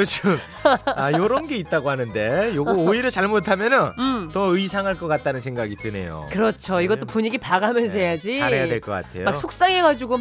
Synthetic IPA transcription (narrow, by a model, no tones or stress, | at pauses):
ɯt͡ɕiɡm | ajjʌɾʌnɡe̞it̚t͈aɡoɦanɯnde̞joɡioiɾjʌt͡ɕaɭmotʰamjʌnɯntʌɯisʰaŋɦaɭk͈ʌk͈at̚t͈anɯnsʰe̞ŋɡaɡitɯne̞̰jo̰kɯɾʌt͡ɕʰoiɡʌt͈opuɲiɡipaɡamjʌns̬ʰejad͡ʑiaɾejadwe̞ɭk͈ʌk͈a̰tʰe̞̰jomak̚ssʰok̚s͈aŋe̞ɡad͡ʑuɡo